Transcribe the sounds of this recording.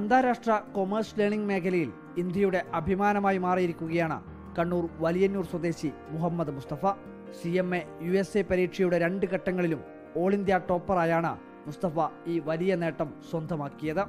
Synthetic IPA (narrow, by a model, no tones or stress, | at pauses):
ɐnd̪ʱaːɾaːʂʈrɐko̞mɐrsle̞ːɳiŋɡme̞ːkʰɐlɐjil | ind̪jɐjuɽe̞ʔɐbʱimaːnɐmaːjimaːrijiɾikʲːuɣɐjaːɳɨ̰ | kɐɳːuːrʋɐlijɐnːuːrswɐd̪e̞ːɕi | muɦɐmːɐðɨmust̪ɐfɐ | siemːejue̞seːpɐɾiːʈʂɐjuɽe̞ɾe̞ɳɖɨkɐʈːɐŋːɐɭilum | o̞ːɭind̪jaːʈːo̞ːpːɐraːjaːɳɨ̰ | must̪ɐfɐiːʋɐlijɐne̞ːʈːɐmswɐnd̪ʱɐmaːkːijɐðɨ